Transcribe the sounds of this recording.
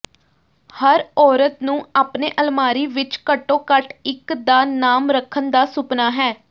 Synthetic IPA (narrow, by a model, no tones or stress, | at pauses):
həɾɔːɾət̪nũːaːpneːʔəlmaːɾiːʋɪt͡ʃkəʈːõːkəʈɪkd̪aːnaːmɾəkʰːənd̪aːsʊpnaːɦɛː